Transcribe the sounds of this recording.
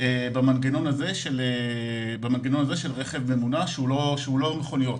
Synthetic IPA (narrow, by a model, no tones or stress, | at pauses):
ebamanɡeno̞naze̞ʃelebamanɡeno̞naze̞ʃelʁeχevne̞munaʃeuloʃeulo̞meχo̞nijo̞t